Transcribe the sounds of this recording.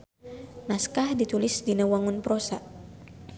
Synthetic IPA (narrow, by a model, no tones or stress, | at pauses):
naskahdit̪ulɪsdinawaŋʊnpɾosa